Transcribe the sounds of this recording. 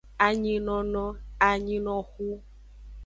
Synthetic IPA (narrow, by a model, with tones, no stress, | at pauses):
a˨ɲĩ˧nɔ̃˨nɔ̃˦a˨ɲĩ˦nɔ̃˧xu˦